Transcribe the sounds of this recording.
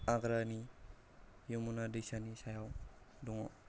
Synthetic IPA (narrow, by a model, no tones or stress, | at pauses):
aɡɾani | jumunadisanisajaw | duŋɔ